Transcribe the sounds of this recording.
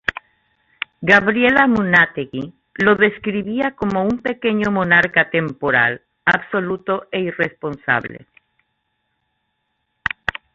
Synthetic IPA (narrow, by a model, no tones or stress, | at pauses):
ɡaβɾjelamunat̪eɣi | lo̞ðe̞skɾiβiako̞mo̞umpe̞ke̞ɲomonaɾkat̪e̞mpoɾa̰l | aβso̞lut̪oʔeirespo̞nsa̰βlḛ